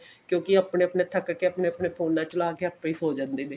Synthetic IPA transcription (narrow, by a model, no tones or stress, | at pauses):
kjõːkɪaːpɳeːəpɳeːt̪ʰəkkeəpɳeːəpneːpʰoːnːãːt͡ʃəlaːkeːəːpiːsoːd͡ʒãːnd̪eːneː